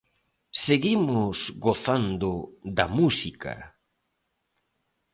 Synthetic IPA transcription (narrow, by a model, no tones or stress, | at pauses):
seɣimʊsɣoθand̪ʊðɐmusika̰